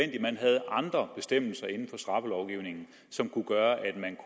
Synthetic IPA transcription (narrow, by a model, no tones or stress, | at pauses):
en̰d̥imænɦæð̞̩ˠʔɑ̈nd̥ʁɐb̥e̝sd̥em̰l̩sɐe̝nn̩fɒ̽sd̥ʁɑ̈fəlɒʊɡ̥iʊne̝ŋn̩ | sɒ̽mkʰuɡ̥ɶːɐʔæd̥mænkʰ